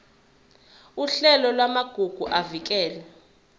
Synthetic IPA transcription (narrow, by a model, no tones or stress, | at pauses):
uɬɛlɔlwamaɡ̥ʱuɡ̥ʱuʔavik̬ʼɛːlɛ